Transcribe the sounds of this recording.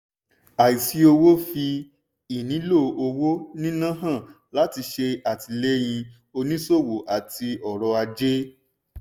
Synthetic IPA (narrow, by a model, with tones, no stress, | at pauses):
a˨i˨si˨˦o˧wo˦fi˧ | i˨nĩ˨˦lo˦˨o˧wo˦nĩ˦nã˦ɦã˦˨ | la˨˦ti˧ʃe˧a˨ti˧le˦j̃ĩ˧ | o˧nĩ˦so˦˨wo˨ʔa˨ti˧ɔ˨ɾɔ˧a˧d͡ʒe˦